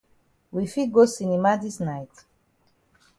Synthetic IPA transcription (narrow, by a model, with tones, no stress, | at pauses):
wifi˦ɡo˦si˨nimadi˦snajt